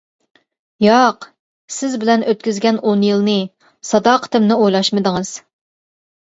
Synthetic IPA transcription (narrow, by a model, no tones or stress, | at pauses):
jɑq | sɪzbɪlɛnʔøt̪kʲyzɡʲɛnonjɨlˠnɨ | sɑd̪ɑːqʰə̥t̪ʰɪmnɨojlˠɑʃmɨd̪əŋɨz̥